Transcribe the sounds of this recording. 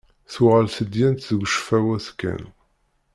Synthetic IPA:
θuʁəlsəd̪jænt̪θəɡʷʃfæwæskːæ̰n

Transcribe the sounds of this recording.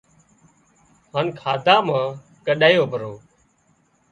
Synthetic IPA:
haːnkʰaːd̪ʱaːmãː | kəɗaːjoːbʱəɾoː

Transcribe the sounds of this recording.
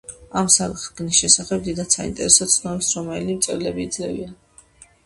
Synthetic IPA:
amsakʼχɡnisʃɛsaχɛb̚d̪id̪ansaḭnt̪ʼɛɾɛsɔt̪sʰnɔɾɛpsɾɔmɛlimt̪sʼɛɾlɛbiːd̪zlɛvḭan

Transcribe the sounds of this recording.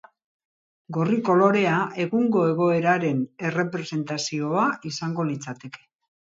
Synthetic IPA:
ɡo̞riko̞lo̞ɾe̞ae̞ɣuŋɡo̞e̞ɣo̞e̞ɾaɾe̞ne̞re̞pɾe̞se̞nt̪asio̞aisaŋɡo̞lit͡sat̪e̞ke̞̥

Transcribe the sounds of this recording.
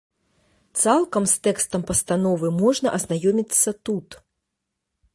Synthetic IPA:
t̪salˠkɐmst̪ɛkst̪ɐmpɐst̪anɔvɨmɔʐnɐʔɐznajɔmʲit̪sːɐt̪ut̪

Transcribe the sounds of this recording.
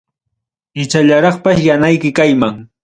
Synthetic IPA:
ɪt͡ʃaʎaɾɑχpaʃjanajkɪkajmaŋ

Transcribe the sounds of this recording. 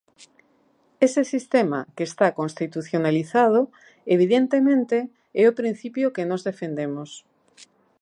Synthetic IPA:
esesist̪ema̰keːst̪akõnst̪it̪uθjonaliθað̞o | eβ̞iðent̪emẽnt̪e | ɛopɾĩn̟θipjokenozðefend̪emos

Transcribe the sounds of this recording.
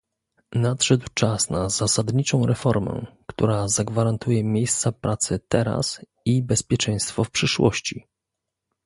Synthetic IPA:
nat̪ʂɛd̪wt͡ʂasnazasad̪ɲit͡ʂɔ̃w̃ɾɛfɔɾmɛ̰kt̪ṵɾazaɡvaɾant̪ujɛmʲjejst̪sapɾʔat̪sɘt̪ɛɾa̰s | ibɛspʲjɛt͡ʂɛj̃st̪fɔfpʂɘʂwɔ̰ɕt͡ɕi

